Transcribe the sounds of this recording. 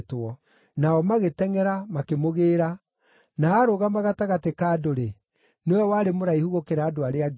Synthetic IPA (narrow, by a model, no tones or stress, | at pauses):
twɔ | naɔmaɣetɛŋɛɾamakemoɣeːɾa | naːɾoɣamaɣataɣatekaːdoɾe | newɛwaːɾemoɾaihuɣokeɾaːdoaɾeaɡ